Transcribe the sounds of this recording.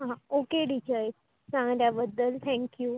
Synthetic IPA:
ɦãokeɖid͡ʑaj | sãŋɡljabəd̪ːəlt̪ʰɛ̃ŋkju

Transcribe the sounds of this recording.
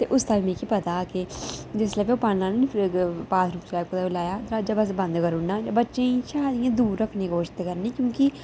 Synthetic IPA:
t̪eːʔʊst̪aːimẽːkipət̪aːked͡ʒɪslɛːbeoːpaːnãːnːnipʰɾpaːt̪ʰɾuːpt͡ʃlaːkoaːlaːjaːd̪ɾaːd͡ʒaːbəs̬bə̃nd̪kəɾʊnːaːd͡ʒabətːʃẽːiːʃaːd̪ɪjãːd̪uːɾːəkʰnẽːɡoːʃt̪ːkəɾniːkjõːkɪ

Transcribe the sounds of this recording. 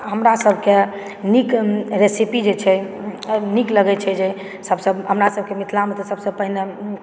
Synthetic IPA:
ɦəmɾasəbʱke | nikɾesipid͡ʒet͡ʃʰɛ | nikləɡɛt͡ʃʰɛd͡ʒe | səbsəbɦəmɾasəb̚ʱkemit̪ʰlamet̪ɔsəbsəbpəɦine

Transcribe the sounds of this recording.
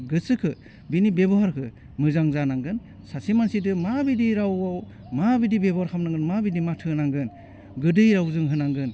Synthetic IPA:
ɡɯsɯkʰɯ | binibebɔɦaɾkʰɯ | mɯzaŋzanaŋɡɯn | sasemansidɯmabidiɾawaw | mabidibebɔaɾkʰamnaŋɡɯnmabidimatʰɯnaŋɡɯn | ɡɯdɯjɾawzɯŋɦɯnaŋɡɯn

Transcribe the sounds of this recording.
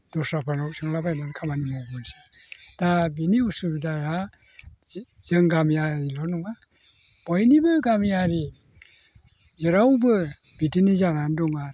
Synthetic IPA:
d̥ɔsapʰanawk̚sʰɯŋlabajnankʰamanimɔɡɔnsid̥abiniusubdaja | z̥ɯŋɡamjaɾilɔnɔŋa | b̥ɔjnibɯɡamjaɾi | zɯɾawbɯbitinizanandɔŋa

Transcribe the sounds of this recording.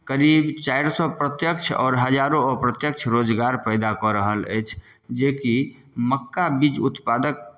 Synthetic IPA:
kəɾibt͡ʃajɾsɔpɾət̪jəkt͡ʃʰɔ̰ːɾɦəd͡ʒaɾõpɾət̪jəkt͡ʃʰɾod͡ʒɡaɾpəɪd̪akɔɾəɦələ̰jt͡ʃʰ | d͡ʒeki | məkːabid͡ʒut̪pad̪ək̚

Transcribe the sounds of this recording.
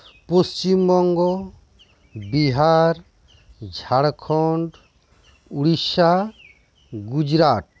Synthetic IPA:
post͡ʃimbɔŋɡɔ | biɦaɾ | d͡ʒʱaɽkʰɔɳɖ | uɽiʃa | ɡud͡ʒɾaʈ̚

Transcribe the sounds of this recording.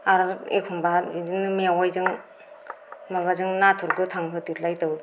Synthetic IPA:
aɾḛkʰuŋbainɯmeawajzɯŋ | maβazɯŋnatʰuɾɡɯtʰaŋɦʰɯtiɾlajtaw

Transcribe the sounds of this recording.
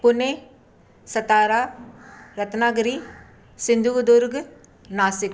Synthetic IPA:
pʊneː | sət̪aːɾaːɾət̪naːɡɾiː | sɪ̃nd̪ʱud̪ʊɾɡ | naːsɪk

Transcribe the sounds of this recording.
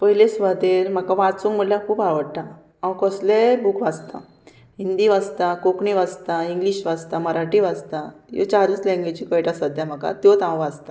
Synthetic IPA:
pəɦilesʋad̪eɾm̤akaʋat͡sũːŋm̤əɽljakʰuːpaʋəɽʈ̪a | ãwkɔslebukʋad͡zt̪a̰ | ɦind̪iʋad͡zt̪akokɳiʋad͡zt̪aiŋɡliɕʋad͡zt̪aməɾaʈiʋad͡zt̪ajo̰t͡ɕaɾuːt͡slɛ̃ŋɡed͡ʑikəjʈasəd̪ʱjam̤aka̰t̪jot̪ãwʋad͡zt̪a

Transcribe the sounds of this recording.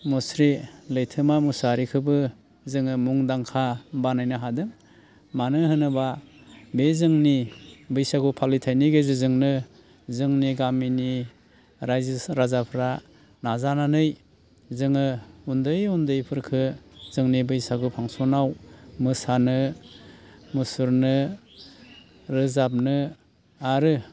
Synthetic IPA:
mɔsɾilɯjtʰɯmamusaɾikʰɯbɯ | zɯŋɯmuŋdaŋkʰabanajnɯɦadɯŋ | manɯɦɯnɯba | bezɯŋnibɯjsaɡɯpʰalitʰajniɡezɯzɯŋnɯ | zɯŋniɡamini | ɾajzsɾazapʰɾa | nazananɯj | zɯŋɯundɯjundɯjpʰɯɾkʰɯzɯŋnibɯjsaɡɯpʰaŋsonawmɯsanɯ | mɯsuɾnɯ | ɾɯzap̚nɯ | aɾɯ

